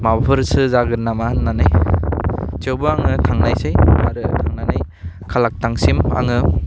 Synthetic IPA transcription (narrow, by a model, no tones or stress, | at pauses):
mabʰɯɾsɯzaɡɯɾnamahɯnːanaj | t͡ʃewbɯaŋɯtʰaŋnajsɯjmaɾɯtʰaŋnanaj | kʰalak̚taŋsima̰ŋɯ